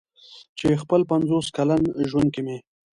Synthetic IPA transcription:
t͡ʃexpəlpanzoskalanʒwand̪̚keme

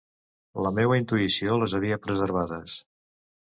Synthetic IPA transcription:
ləmeβəint̪uisioləzəβ̞iəpɾəzəɾβ̞aðəs

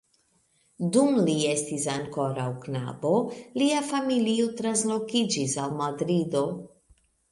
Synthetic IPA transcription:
dumliestisaŋko̞ɾawkna̰bo̞liafamiliot̪ɾanslo̞kid͡ʒisalmad̪ɾid̪o

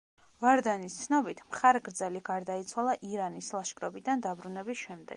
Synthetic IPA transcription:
vaɾd̪anist̪sʰnɔbit̪ʰmχaɾɛɡɾd̪zɛliɡaɾd̪ait̪sʰwalˠaʔiɾanislˠaʃkʼɾɔbid̪and̪abɾunɛbisʃɛmd̪ɛ̰ɡ̥

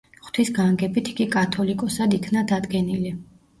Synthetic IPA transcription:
χt̪ʰisɡaŋɡɛbit̪ʰiɡikʼat̪ʰɔlikʼɔsad̪ikʰnad̪ad̪ɡɛnili

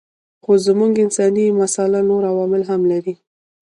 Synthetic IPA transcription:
xozmuŋɡɪnsɑnimasalanoɾawɑmɪlɦamlaɾi

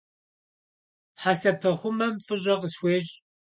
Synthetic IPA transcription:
ħaːsɐpʰɐχʷʊmɐmfɨʑʼɐʁəswʷeːɕʼ

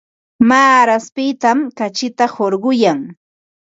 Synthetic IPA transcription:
maːɾaspɪt̪amkat͡ʃɪt̪ahoɾɢʊjaŋ

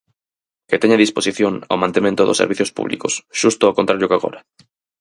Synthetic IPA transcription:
ket̪eɲaðisposiθjoŋa̰wmãnt̪emẽnt̪ʊðʊ̰sḛɾβiθjospṵβlḭkosʃust̪ʊakont̪aɾʎokaɣo̰ɾɐ

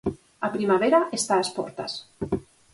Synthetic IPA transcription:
apɾimaβ̞eɾaʔest̪aaspɔ̰ɾt̪a̰s

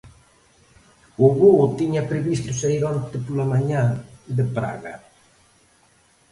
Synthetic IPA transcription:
oβot̪iɲapɾeβist̪ʊseɾiɾant̪epolamaɲãd̪epɾa̰ɣa

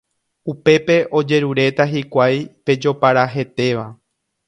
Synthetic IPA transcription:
upe̞pe̞ʔo̞d͡ʒe̞ɾuɾe̞t̪aɦikʷajpe̞d͡ʒo̞paɾaɦe̞t̪e̞ʋa

